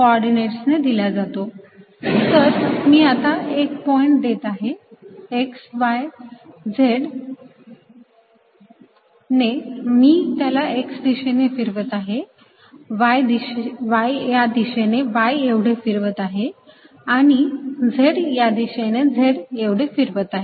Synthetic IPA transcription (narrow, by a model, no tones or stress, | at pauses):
kɔɾɖineʈsned̪ilad͡zat̪o | t̪əɾmiːat̪aek̚pɔiɳʈ̚d̪et̪aɦeeksʋajd͡zʱeɽ | nemiːt̪jalaeksd̪iɕenefiɾʋət̪aɦe | ʋajd̪iɕeʋajjad̪iɕeneʋajeʋɽ̤efiɾʋət̪aɦe | aɽ̃id͡zʱeɽjad̪iɕened͡zʱeɽeʋɽ̤efiɾʋət̪aɦe